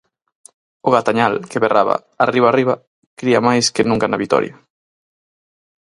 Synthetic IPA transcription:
ʊɣat̪aɲalkeβerʔaβa̰ | ariβ̞ariβɐ | kɾiamajskɪnũŋkanaβit̪ɔ̰ɾjɐ

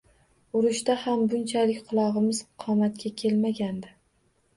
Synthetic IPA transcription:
ʊɾɪʃt̪ahambʊnt͡ʃʰalɪkʲqʰʊlˠɒʁɨmɪzqʰɒmat̪̚kʲʰakʲʰe̞lmaɡʲand̪ɪ

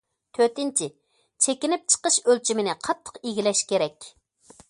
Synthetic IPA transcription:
t̪ʰøt̪ɪnt͡ʃʰɪ | t͡ʃʰekʲinɪp̚t͡ʃʰə̥qəʃølt͡ʃʰimɪnɪqʰɑt̪ʰːə̥qiɡʲilɛʃkʲeɾɛkʲ

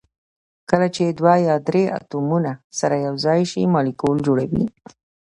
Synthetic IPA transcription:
kəlat͡ʃed̪wajɑd̪ɾea̰t̪umunasaɾajawzɑjʃimɑlikold͡ʒoɽawḭ

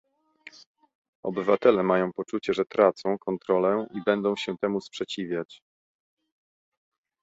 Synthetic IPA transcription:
ɔ̰bɘvat̪ɛlɛmajɔ̃w̃pɔt͡ʂut͡ɕɛʐɛt̪ɾʔat̪sɔ̃w̃kɔnt̪ɾɔlɛibɛnd̪ɔ̃w̃ɕɛt̪ɛmuspʂɛt͡ɕivʲjat͡ɕ

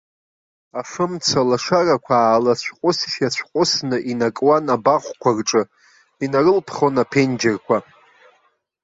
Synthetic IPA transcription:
aʂɨmt͡sʰalaʂarakʷʰaːlat͡ɕʷʰqʷʼʊsʃjat͡ɕʷʰqʷʼʊsnɨʔinakʼwanabaχʷkʷʰarʈ͡ʂʼɨ | inarɨlpʰχonapʰend͡ʒarkʷʰa

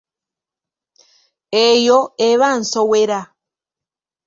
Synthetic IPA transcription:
ejoeβansoweɾa

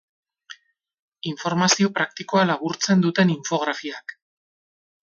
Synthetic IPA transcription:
iɱfo̞ɾmasio̞pɾak̚t̪iko̞alaβ̞uɾt͡se̞nd̪ut̪e̞niɱfo̞ɣɾafiak

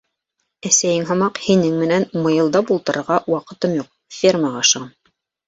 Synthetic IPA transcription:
æsæjɘŋɦɑ̆mɑqhinɘŋmɘ̆nænmɤ̆jɤ̆lˠd̪ɑpulˠt̪ɤ̆ɾɤ̆ɾʁɑwɑqɤ̆t̪ɤmjuq̚fʲirmɑʁɑʃɤʁɑn

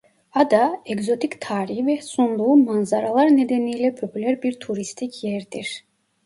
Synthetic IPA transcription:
ad̪aɛɡzo̞t̪ʰict̪ʰaːɾiɦivɛsund̪ˠuːmanzaɾalˠaɾne̞d̪enijlʲɛpʰo̞pʰylʲæɾbiɾt̪ʰuɾist̪ʰicʰjɛɾd̪iɾ̥

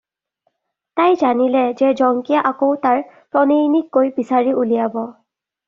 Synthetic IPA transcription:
tajzanilɛzɛzɔŋkijaʔakowtaɹpɔnejnikːojbisaɹiulijabɔ

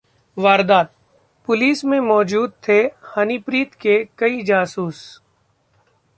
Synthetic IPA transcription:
ʋaːɾd̪aːt̪̚ | pʊliːsmẽmɔːd͡ʒuːd̪̚t̪ʰehɐnipɾiːt̪kekɐid͡ʒaːsuːs

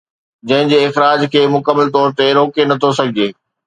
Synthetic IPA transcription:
d͡ʑɐ̃ɦɪ̃ɲd͡ʑeːɪxɾaːd͡ʑkʰeːmʊkəmːəlt̪̬ɔːɾt̪eɾoːkenɐt̪ʰosɐɡʱɪd͡ʑeː

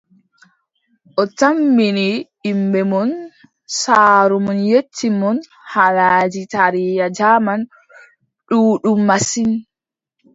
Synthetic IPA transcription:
ʔɔtamːiniː | mbɛmɔn | saːɾumɔnjetːimɔn | halaːd͡ʒitaɾijad͡ʒaːman | ɗuːɗumːasin

